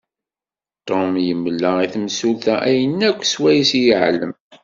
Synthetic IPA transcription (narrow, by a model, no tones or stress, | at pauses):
t̪ˤomjəmːlːæiθmsulθæʔæjənːækʷːswæjisijəʕləm